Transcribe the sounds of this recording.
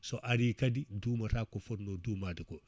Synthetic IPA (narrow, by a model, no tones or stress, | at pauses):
sɔʔaɾikadiduːmatakːɔfɔtnɔduːmadikɔ